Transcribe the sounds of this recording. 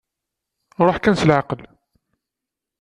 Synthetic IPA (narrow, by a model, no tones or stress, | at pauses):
ɾˤoħkænsəlʕaqəl